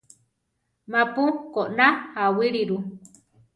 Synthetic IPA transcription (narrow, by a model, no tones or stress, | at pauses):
mãpukoʔnahawiɾiɾu